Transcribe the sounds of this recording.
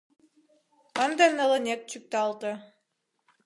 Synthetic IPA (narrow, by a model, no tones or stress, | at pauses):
ɑnd̪ɑnɤ̆lˠɤ̆nʲek̚t͡ɕyk̚t̪ɑlˠt̪ɤ̆